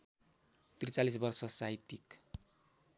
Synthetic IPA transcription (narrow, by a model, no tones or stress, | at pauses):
t̪rit͡salis̬bʌrsʌsajt̪ik